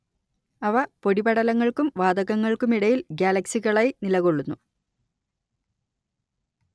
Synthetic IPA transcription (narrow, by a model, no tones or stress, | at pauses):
ɐʋɐpo̞ɽibɐɽɐlɐŋːɐɭkumʋaːd̪ɐɣɐŋːɐɭkumiɽɐjilɡjaːlɐksiɣɐɭajinilɐɣoɭːunːu